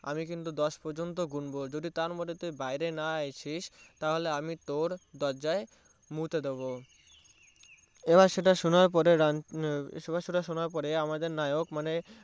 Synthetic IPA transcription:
a̰mikint̪ud̪ɔʃpɔɾd͡ʑont̪̬oɡunbod͡ʑod̪it̪aɾmod̪ʱet̪ubajɾenaajt͡ɕʰiʃt̪aɦoleamit̪oɾd̪ɔɾd͡ʑae | mut̪ed̪eβo | ebaɾʃeʈaʃonop̬ɔɾeɾa | ʃebaʃoʈaʃonaɾpɔɾeamad̪eɾnajokmane

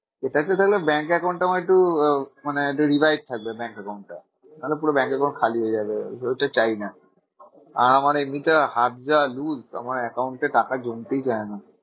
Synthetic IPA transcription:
eʈaʈat̪ʰaklebɛŋkɛkaw̃ɳʈːamaeʈumaneʈuɾibajd͡ʒ̚t̪ʰak̚bebɛŋkɛkawɳʈːa̰ | nalepuɾobɛ̃ŋkɛkaʊ̃ɳʈ̚kʰaliɦojed͡ʑabeejʈat͡ɕajna | a̰ɾamaɾemit̪ahat̪d͡ʑaluza̰maɾɛkawɳʈeʈakad͡ʒont̪ejt͡ɕajna

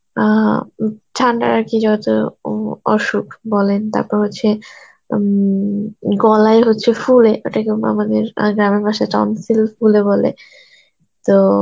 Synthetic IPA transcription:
a | tʰaɳɖa̰ɾakid͡ʑɔt̪o̰ | ɔʃukbɔlent̪a̰ɾpɔɾɦotːɕʰe | ɡɔlaeɦotːɕʰefuleʔoʈʰakea̰mad̪eɾɡɾamebʱaʃaʈɔ̰nsilfulebɔlḛ | t̪o

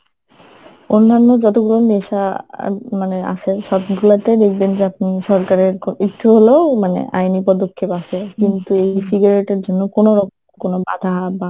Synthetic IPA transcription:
onːanːod͡ʑɔt̪oɡuloniʃa | manea̰ʃʰeʃɔbɡulat̪ed̪ekʰbend͡ʑeap̚niʃɔɾkaɾeɾkiʈ̪ʰːuɦolomanḛʔa̰jnipɔd̪okʰːepaʃʰekint̪uejsiɡaɾeʈeɾd͡ʑonːokonoɾɔkmkonobad̪ʱaba

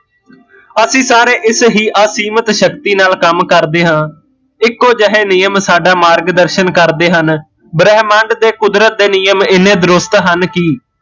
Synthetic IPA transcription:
əsĩːsaːɾeːʔɪsɦiːʔaːsiːmət̪ʃəkt̪iːnaːlkəmkəɾd̪eːɦãː | ɪkːoːd͡ʒəɦeːnijəmsaːɖaːmaːɾɡd̪əɾʃənkəɾd̪eːɦən | bɾɛɦmãːɳɖd̪eːkʊd̪ɾət̪̚d̪eːniːjəmɪnẽːd̪əɾʊst̪ɦənkiː

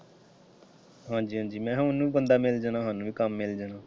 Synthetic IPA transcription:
ɦãːd͡ʒiːɦʌ̃d͡ʒiːmɛ̃ɦãunːũbənd̪ameld͡ʒanãɦʌ̃nũbʱikamːeld͡ʒana

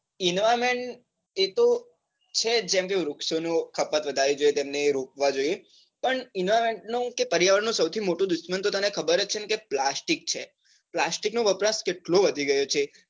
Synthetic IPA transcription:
inʋameɳʈ | et̪o | t͡ʃʰed͡ʒɛ̃mk̬eɾukʃonõkʰəpːət̪ʋəd̪ʱaɾid͡ʒojet̪emneɾuk̚ʋad͡ʒoije | pəɳinoʋameɳʈnokepəɾijaʋəɽnõsəwt̪ʰimoʈũd̪ʊʃmənt̪ot̪ənekʰəbəɾət͡ʃʰenkeplasʈik̚t͡ʃʰe | plasʈiknoʋəɾpɾəskeʈloʋəd̪ʱiɡəjot͡ʃʰe

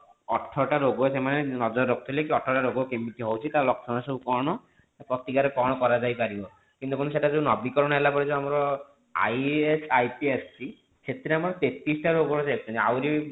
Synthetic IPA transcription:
ɔʈʰːɔʈaɾoɡɔsemanenɔd͡ʒɔɾːɔk̚t̪ʰɔlek̬iɔʈʰːɔɾʈaɾoɡɔkembit̪iɦowt͡ʃʰit̪alɔksɔnasɔbukɔɾɽ̃ɔ | pɾɔt̪ikaɾepɔɽ̃ɔkɔɾad͡ʒajpaɾibɔ | kint̪ukunuseʈad͡ʒeunɔbikɔɾɔɽ̃ɔelapɔɾid͡ʒʰɔamɔɾɔ | a̰jesʰajpiessʰi | set̪iɾeamɔɾɔt̪et̪ɾisɔʈaɾoɡɔɾɔsekʰt͡ʃʰɔniawɾi

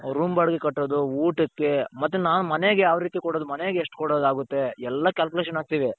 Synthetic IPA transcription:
ɾuːmbaɽɡekɐʈːod̪uuːʈɐkːemɐt̪ːenaːnumɐneɡejaːʋɐɾiːt̪ikɔɽoːd̪umɐneɡeeʂʈkɔɽoːd̪aːɡut̪ːe̞ɛlːɐkʲaːlkʲuleʃ̬ɐnaːɡ̚t̪iːʋe

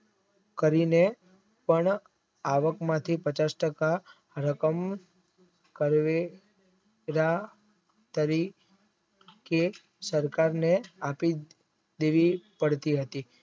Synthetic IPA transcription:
kəɾine | pəɳ | aʋəkmãt̪ʰipət͡ʃasʈəka | ɾəkəm | kəɾʋe | ɾa | t̪əɾi | ke | səɾkaɾneapi | d̪eʋipəɽt̪iɦət̪i

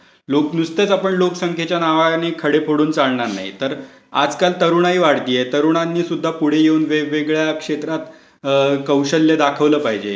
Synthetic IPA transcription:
loknust̪et͡sapəɳlokəsəŋkʰjet͡ɕjanaʋanekʰəɽepʰoɽuːnt͡salɳaɾna̰ɦḭt̪əɾ | a̰d͡zkalt̪əɾuːɳ̃aiːʋaɽt̪iːjet̪əɾuɳ̃anːiːsud̪ʱːapuɽ̤ejeuːnʋeʋeɡɭjakʂet̪ɾat̪ | kəwɕəlːed̪akʰəʋləːpaɦid͡ʑḛ

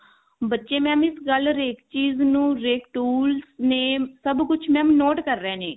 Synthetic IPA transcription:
bətːʃeːmɛ̃ːmɪsɡəlɾeːkt͡ʃiːznũːɾeːkʈuːlsneːsəbkʊt͡ʃʰmɛ̃ːmnoːʈkəɾːẽːneː

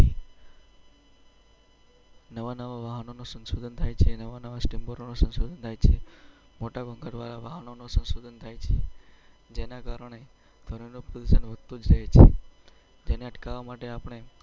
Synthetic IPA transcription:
nəʋanəʋaʋaɦənonosə̃nsod̪ʱənt̪ʰajt͡ʃʰenəʋanəʋasʈimboɾonosə̃nsod̪ʱənt̪ʰajt͡ʃʰemoʈaɡʱə̃ŋɡaɖʋaɾaʋaɦənonosə̃nsod̪ʱənt̪ʰajt͡ʃʰe | d͡ʒenakaɾəɳ̃e | d̪̥ʱəɾinopɾod̪usənʋət̪ud͡ʒɾəɦet͡ʃʰḛ | d͡ʒeneəʈkaʋamaʈeapəɳ̃e

